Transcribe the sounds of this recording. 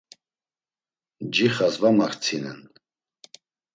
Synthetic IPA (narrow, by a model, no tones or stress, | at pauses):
d͡ʒiχazvamaχt͡sʰinɛ̰n